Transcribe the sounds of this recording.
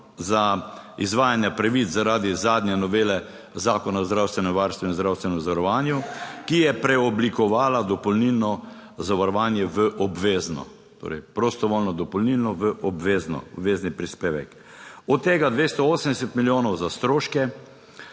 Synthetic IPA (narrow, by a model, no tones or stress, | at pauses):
zaizʋaːjanjapɾɛʋit͡s̪zaɾaːd̪izaːd̪njɛnɔʋeːlɛ | zaːkɔnazd̪ɾawst̪ʋɛnɛmʋaɾst̪ʋɛinzd̪ɾawst̪ʋɛnɛmzaʋaɾɔʋaːnjukijɛpɾɛɔblikɔʋaːlad̪ɔpɔlnilnɔ | zaʋaɾɔʋaːnjɛʋəʔɔbʋeːznɔ̰ | t̪o̰ɾɛ̰jpɾost̪ɔʋoːlnɔd̪ɔpɔlnilnɔʋəʔɔbʋeːznɔ̰bʋeːznipɾispeːʋɛ̰k | ɔt̪ːeːɡad̪ʋeːst̪ɔoːsəmd̪ɛsɛt̪miljoːnɔwzast̪ɾoːʃkɛ